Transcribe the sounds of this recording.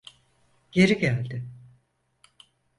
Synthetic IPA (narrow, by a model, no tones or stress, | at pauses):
ɟ̥e̞ɾiɟælʲd̪ɪ